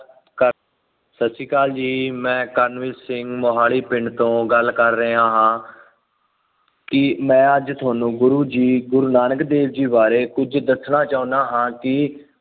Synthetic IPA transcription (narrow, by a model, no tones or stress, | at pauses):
kə | səsiːkaːld͡ʒiːmɛ̃ːkəɾnʋɪsɪŋɡmoɦaːɭiːpɪɳɖt̪õːɡəlkəɾːəãːɦãː | kɪmɛ̃ːəd͡ʒt̪ʰʊwaːnũːɡʊɾuːd͡ʒiːɡʊɾuːnaːnəkd̪eːʋd͡ʒiːbaːɾeːkʊd͡ʒd̪əsnaːt͡ʃaːũːnaːɦãːkɪ